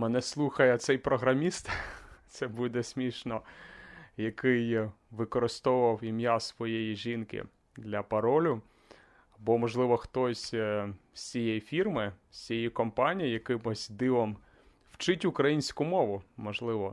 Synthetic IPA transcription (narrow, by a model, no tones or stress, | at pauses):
mɛnɛslˠuxɐjɛt̪sɛjpɾɔɦɾɐmʲist̪t̪sɛbud̪ɛsʲmʲiʃnɔ | jɐkɪj | ʋɪkɔɾɪst̪ɔʊʋɐwimjasʋɔjejiʒinkɪ̰ | d̪lʲɐpɐɾɔlʲʊ | bɔmɔʒlˠɪʋɔxt̪ɔsʲ | sʲijejifʲirmɪsʲijikɔmpɑnʲijijɐkɪmʊsʲd̪ɪʋɔm | w̥t͡ʃɪtʲʊkɾɐjinʲsʲkʊmɔʋʊmɔʒlˠɪʋɔ